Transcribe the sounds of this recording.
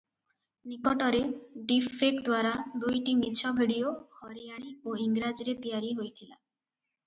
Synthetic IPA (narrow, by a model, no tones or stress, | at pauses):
nikɔʈɔɾeɖipʰːekd̪waɾad̪ujʈimit͡ʃʰɔbʱiɽijohɔɾijaɽ̃ioiŋɡɾad͡ʒɾet̪ijaɾiɦojt̪ʰila